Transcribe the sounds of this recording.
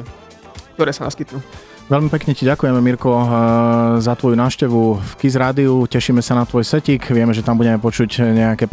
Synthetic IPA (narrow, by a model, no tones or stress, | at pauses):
k̚t̪ɔɾɛːsana̰skit̪nu | ʋɛlmipɛkɲɛciɟakujɛmɛmiɾkɔ | zat̪ʋɔjunaːʊʃcɛʋufkizɾaːd̪iucɛʃiːmɛsanat̪ʋɔjsɛciːkʋɪɛmɛʒɛt̪ambuɟɛmɛpɔt͡ʃucɲɛakɛːp